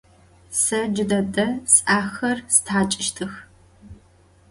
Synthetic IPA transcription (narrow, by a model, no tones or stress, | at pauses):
sɐd͡ʒɪdɐdɐsʼaːxɐrsɨ̥tʰaːt͡ʃʼɪʃtʰɨx